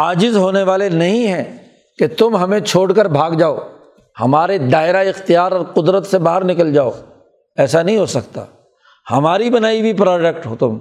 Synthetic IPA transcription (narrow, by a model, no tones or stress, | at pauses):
aːd͡ʒɪzɦoːneʋaːlenɐɦĩɦɛ̃ | ket̪ʊmɦɐmẽt͡ʃʰoːɽkəɾbʱaːɡd͡ʒaːoː | hɐmaːɾed̪aːɪɾaɪxt̪ijaːɾɔːɾqʊd̪ɾət̪sebaːɦəɾnɪkəld͡ʒaːoː | ɛːsanɐɦĩɦoːsɐk̚t̪a̰ː | hɐmaːɾibɐnaːibʱipɾɔːd͡ʒɛkʈɦoːt̪ʊm